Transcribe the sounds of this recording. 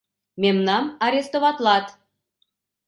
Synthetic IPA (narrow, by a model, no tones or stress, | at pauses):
memnɑmɑɾʲest̪oβɑt̪lɑt̪